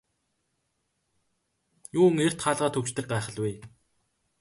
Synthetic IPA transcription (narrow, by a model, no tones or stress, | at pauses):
juːŋer̥t̪χaːɮʁaːt̪ʰɵw̥t͡ɕt̪ɘ̆k̚ɢaːχə̆ɮweː